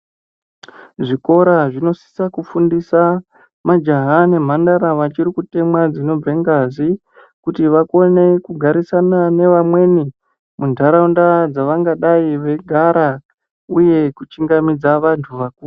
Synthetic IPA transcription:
ʐiko̞ɾaʐino̞si̥sakufundisa | mad͡ʒaɦane̞m̤andaɾaʋat͡ʃiɾikute̞mwad͡zino̞b͡veŋɡazi | kutiʋako̞ne̞kuɡʱaɾisanane̞ʋamwe̞ni | mundʱaɾaundad͡zaʋaŋɡaɗaiʋe̞ɡʱaɾa | uje̞kut͡ʃiŋɡamid͡zaʋantʰuʋakuːru

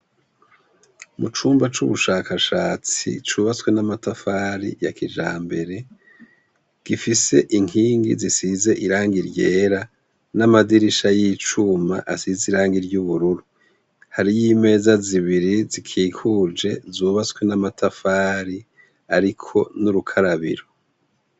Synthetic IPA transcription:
mut͡ʃuːmbat͡ʃuβuʃaːkaʃaːt͡sḭt͡ʃuβat͡swe̞namatafaːɾḭjakid͡ʒa̰ːmbe̞ɾe̞ | ɡ̥ifise̞ʔiŋiːŋɡḭzisize̞ʔiɾaːŋɡiɾɟe̞ːɾa | namadiɾiʃajiːt͡ʃuma̰ʔasiziɾaːŋɡiɾɟuβuɾuɾu | haɾijiːme̞ːzaziβiɾizikʰiːkʰuːd͡ʒe̞zuːβaskwe̞namatafaːɾi | aɾikʰo̞nuɾukʰaɾaβḭɾo

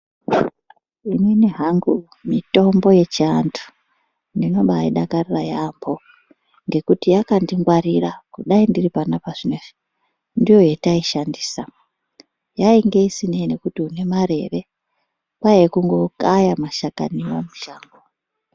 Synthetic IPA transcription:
ininiɦaŋɡu | mito̞mbo̞je̞t͡ʃiantʰu̥ | ndino̞ɓaiɗakarirajambo̞ | ŋɡe̞kutijakandiŋɡwaɾirakuɗaindiripanapaʐinei | ndijo̞jetaiʃandiːsa | jaiŋɡe̞isinene̞kutiune̞maɾe̞ʋe̞ | pajekuŋɡo̞kajamaʃaka̰niwamuʃaːŋɡo

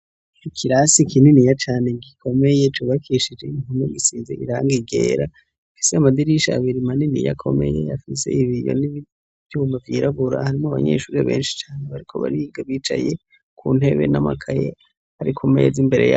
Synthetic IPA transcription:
ikʰiɾasikʰininijat͡ʃaːne̞ɡikʰo̞me̞je̞t͡ʃuβakʰiʃid͡ʒe̞iŋumiɡisizḛʔiɾaːŋɡiɡḛːɾa | afi̥seamad̪iɾiʃaːβiɾimaninḭja̰kʰo̞mḛje̞̰jafise̞̰iβijo̰niβi | vjuːmavjiɾaβuɾa̰haɾimoaβa̰ɲḛʃuːɾeβe̞̰ːnʃi̥t͡ʃaːneβaɾikʰo̞βa̰ɾiɡaβiːt͡ʃa̰je | kʰṵːn̥e̞βe̞̰namakʰaje | haɾikʰomejezimbe̞ɾe̞̰ja

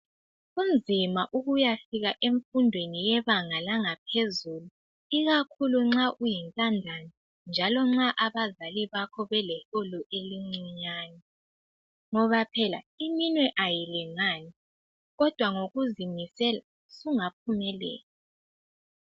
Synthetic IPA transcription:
und͡zʱimaʔuɣujafiɣaʔeɱfundʱwenijɛβaŋalaŋapʰezulu | iɣakʰuluŋ͡ǁaʔujintʼandʱani | nd͡ʒʱalɔŋ͡ǁaʔaβazaliβakʰɔβɛlɛɬɔlɔʔeliŋ͡ǀiɲaːn | ŋɔβapʰɛla̰iminwɛʔajilɛŋani | ɣɔd̥ʱwaŋoɣuzimisɛla | suŋap̚ʰumɛlɛ̰ːla

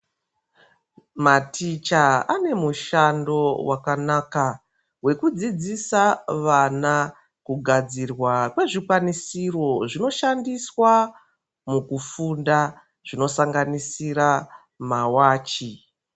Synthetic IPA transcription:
matit͡ʃaane̞muʃando̞wʔakanaːka | we̞kud͡zid͡zisaʋana | kuɡʱad͡zirwakwe̞ʐikwanisiro̞ʐino̞ʃandiswa | mukufunda | ʐ̥ino̞saŋɡanisira | mawaːt͡ʃi

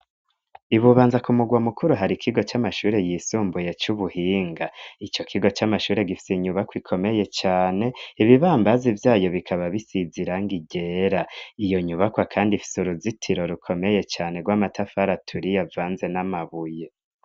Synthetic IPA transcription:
iβuβaːnzakumuɡwamukʰuɾuɦaɾikʰiɡo̞t͡ʃamaʃuːɾe̞jiːsuːmbuje̞t͡ʃuβuhiːŋɡait͡ʃo̞kʰiɡo̞t͡ʃamaʃuːɾe̞ɡifi̥seɲuβakwikʰo̞me̞je̞t͡ʃaːne̞iβiβaːmbazivjaːjo̞βikʰaβaβisiziɾaŋɡiɟe̞ɾaijo̞ɲuβakwakʰaːndifi̥suɾuzitʰiɾo̞ɾukʰo̞me̞je̞t͡ʃaːne̞ɡwaːmatʰafaɾatʰuɾijavaːnze̞namaβuje̞

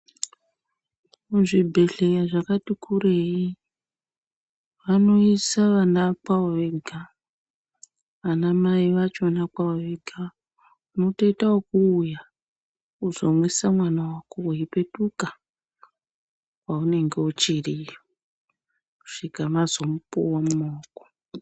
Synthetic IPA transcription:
uʐibʱe̞ɬe̞jaʐakatikʰuɾe̞i | ʋano̞isaʋanapaoʋeɡʱa | ʋanamaiʋat͡ʃonak͡paoʋeɡʱa | uno̞toitaokuːja | uzo̞mwisamwanawakouɦipe̞tuka | paune̞ŋɡe̞ut͡ʃirijo | ku̥ʂikamazo̞mupṵwamumoːko̥

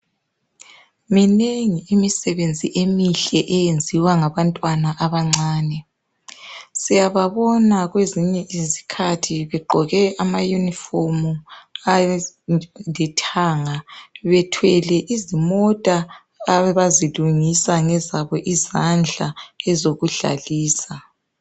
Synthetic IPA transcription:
mineŋiːmisɛβend͡zʱiʔemiɬɛʔɛjend͡zʱiwaŋaβantʼwanaʔaβaŋ͡ǀaːnɛ | sijaβaβɔnaɣweziɲɛʔizikʰatʰiβɛɡ͡ǃʱɔɣɛʔamajunifomua | ndʱɛtʰaːŋaβɛtʰwɛlɛʔizimɔtʼaː | ɛβaziluŋisaŋɛzaβɔʔizand͡ɮʱaɛzoɣuɮa̰liːsa

